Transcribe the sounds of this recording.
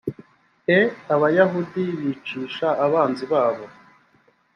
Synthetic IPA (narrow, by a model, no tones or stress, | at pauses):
eaβajaɦudiβit͡ʃiːʃaʔːβaːnziβaːβo̞